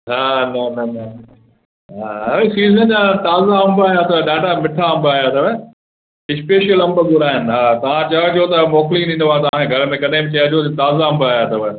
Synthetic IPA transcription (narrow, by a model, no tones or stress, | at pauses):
ɦaːnonɐnɐ | ɦaːɐsiːzənd͡ʑaːt̪aːzaɐ̃mbaːjat̪ʰɐʋɛɗaːʈamɪʈʰaɐ̃mbaːɦjat̪ʰɐʋɛ | ɪspeːʃijəlɐ̃mbəbʊɾaːɦɪn̆ɦaːt̪ɐʋ̤ãt͡ɕɐot͡ɕot̪ɐmoːkliɗĩːnd̪ʋãːt̪ɐʋ̤ãkʰẽɡʱɐɾmẽkɐɗaɪmbɪt͡ɕɐjə̃d͡ʑʰot̪et̪aːzaɐ̃mbaːjat̪ʰɐʋɛ